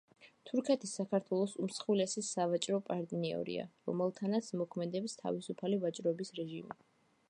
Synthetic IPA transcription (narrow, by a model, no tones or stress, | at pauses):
t̪ʰuɾkʰɛt̪ʰisːakʰaɾt̪ʰwɛlˠɔsumsχilɛsisavat͡ʃʼɾɔpʼaɾd̪ʼniɔ̰ɾḭa̰ɾɔ̰mɛlˠt̪ʰanat̪sʰmɔkʰmɛd̪ɛpst̪ʰa̰visupʰalivat͡ʃʼɾɔbisɾɛʒimi